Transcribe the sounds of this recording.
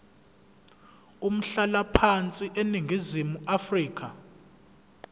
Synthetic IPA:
um̩ɬalapʰant͡sʼiʔeniŋɡʱizimuʔafriːkʰa

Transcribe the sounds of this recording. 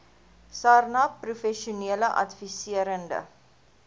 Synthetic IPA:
sɐrnɐprufɛʃuniələʔɐ̰tfisiəɾəndə̰

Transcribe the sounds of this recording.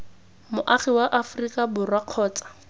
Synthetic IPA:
mʊʔaχiwaʔafʊrikʼabʊrwaq͡χʰɔːt͡sʼḁ

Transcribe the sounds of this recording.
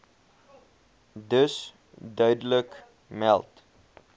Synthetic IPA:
dəs | dœɥdələk | mɛ̰lˠt

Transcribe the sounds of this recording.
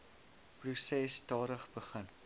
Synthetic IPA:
prusɛstɑːɾəχbəχən

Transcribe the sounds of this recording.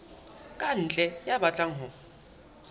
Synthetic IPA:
kʼan̩t͡ɬʼɛjabat͡ɬʼaŋ̩ɦʊ

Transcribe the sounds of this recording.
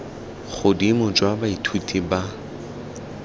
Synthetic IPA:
χʊdimʊd͡ʒwabaitʰutʼiba

